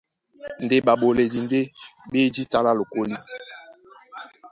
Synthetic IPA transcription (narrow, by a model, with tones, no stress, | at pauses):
n˨de˦ɓa˨ɓo˨le˨di˨nde˦be˦d͡ʒi˦ta˦la˦lo˨ko˦li˦